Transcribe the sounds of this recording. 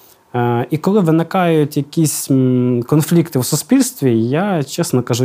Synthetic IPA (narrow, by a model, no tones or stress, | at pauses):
ikɔlˠɪʋɪnɪkɑjʊtʲjɐkʲisʲkɔnflʲikt̪ɪwsʊspʲilʲst̪ʋʲijat͡ʃɛsnɔkɐʒu